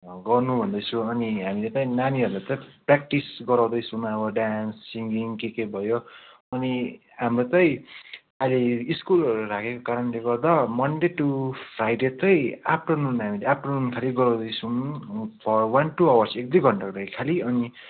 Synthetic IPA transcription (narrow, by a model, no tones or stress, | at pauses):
ɡʌrnubʱʌnd̪ʌjt͡sʰũʌniɦamilet͡saĩnaniʌrlat͡sʌprak̚ʈisɡʌɾaw̃d̪ʌjt͡sʰumʌbʌɖansːiŋɡiŋkekejbʱʌjo | ʌni | ɦamrot͡sʌj̃ | aleiskulʌɾuɾakʰekokaɾʌnleɡʌrd̪amʌnɖeʈːupʰrajɖet͡sʌj̃ap̚ʰʈonunɦamileapʰʈonunkʰaliɡʌɾaw̃d̪ʌjt͡sʰunpʰʌrwʌnʈuʌwʌrsek̚d̪ʌjɡʱʌɳʈakɾʌikʰaliʌni